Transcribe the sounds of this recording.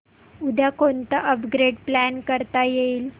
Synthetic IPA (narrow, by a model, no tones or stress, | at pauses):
ud̪ʱjakont̪əʔəpɡɾeɖplænkəɾt̪ajeil